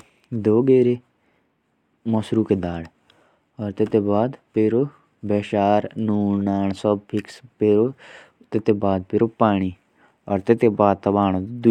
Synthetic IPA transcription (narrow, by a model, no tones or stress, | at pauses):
d̪oːɡeːɾe | mɔsɾuːked̪aːɽ | ɔːɾt̪et̪eːbaːd̪peɾoː | bɛːʃaːɾnuːnnaːnsɔbpʰɪkspeːɾoː | t̪ɪt̪eːbaːd̪̚pɪɾoːpaːɽ̃iː | ɔːɾt̪et̪ebaːd̪̚t̪ɐbaːɳ̃õːd̪d̪ʊ